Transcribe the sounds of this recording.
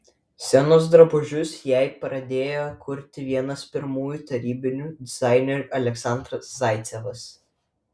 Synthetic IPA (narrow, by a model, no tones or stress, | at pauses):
sʲɛnoːsd̪ɾɐbʊʒʲʊsjæɪpɾɐd̪ʲeːjoːkʰʊɾʲt̪ʲɪʋʲiɛnɐspʲɪɾmuːjut̪ɐɾʲiːbʲɪnʲuːd̪ʲɪzɑɪnʲɛɾʲʔɐlʲɛksɑˑnd̪ɾɐszɑˑɪt̪sʲɛʋɐs